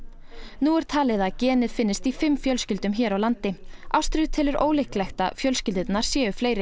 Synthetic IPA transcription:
nuɛɾ̥t̪ʰaːlɪðacɛːnɪðfɪnːɪst̪ifɪmːfjœlscʏlt̪ʏmçɛːɾawlant̪ɪʔa̰wst̪ɾʏt̪ʰɪlɪɾo̰ːwlɪhklɛxt̪a̰fjœlscʏlt̪ɪt̪naɾ̥sjɛːʏfleːjɾɪ

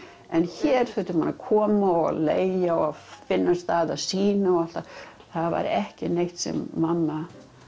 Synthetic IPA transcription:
ɛnçɛːɾ̥θœt̪ʏmanːakʰɔːmaɔa̰leːjjaɔafɪnːast̪aːðaðsiːnaɔal̥t̪a | θaðva̰ɾɛhcɪnejht̪sɛ̰mːamːa

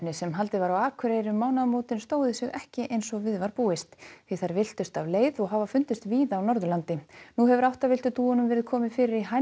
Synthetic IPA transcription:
nɪsɛmɦalt̪ɪvaɾawaːkʰʏɾejɾʏmːaːwnaðmoːt̪ɪnst̪oːwðɪsɪɣɛhcɪʔejnsɔɣvɪðvaɾpuːɪst̪viθaɾvɪl̥t̪ʏst̪avleːjðɔɣɦaːvafʏnt̪ʏst̪viːðaːwnɔɾðʏlant̪ɪnuɦɛvʏɾawht̪avɪlt̪ʏt̪uːʏnʏmvɛːɾɪðkʰɔːmɪfɪːɾɪɾiɦa

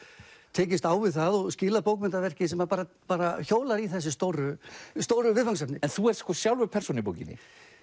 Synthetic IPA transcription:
t̪ʰɛːcɪst̪aːwvɪðθaðɔɣscɪːlapowkmɪnt̪avɛr̥cɪsɛmapaːɾa | paːɾaçoːwlaɾiθɛs̬ːɪst̪owɾʏst̪oːwɾʏvɪðfaŋsapnɪɛnθuɛɾskʰɔsjawlvʏpʰɛr̥sɔnɪip̬o̰wcɪ̰nːɪ̰

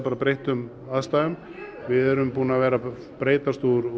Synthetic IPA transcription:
paːɾapɾejht̪ʏm | aðst̪aːʏm | vɪðɛɾʏmpuːnavɛːɾa | pɾeːjt̪ast̪uɾ

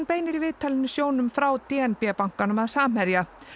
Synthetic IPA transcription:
npeːjnɪɾivɪːt̪ʰalɪnːʏsjoːwnʏmfɾawt̪ɛːɛnpɛapaŋ̥kanʏmaðsaːm̥hɛɾja

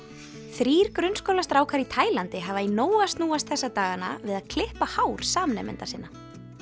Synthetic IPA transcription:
θɾiːɾ̥kɾʏnskowlast̪ɾaːwkʰaɾit̪ʰaːjlant̪ɪɦaːvainoːwast̪nuːast̪̚θɛsːat̪aːɣana̰vɪðaðkʰlɪhpahaːwɾ̥saːmnɛ̰mɪ̰nt̪asɪnːa

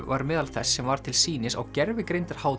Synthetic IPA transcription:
vaɾmɛːðalθɛsːɛmvaɾ̥t̪ʰɪlsiːnɪsa̰wcɛɾvɪkɾejnt̪aɾ̥haːw

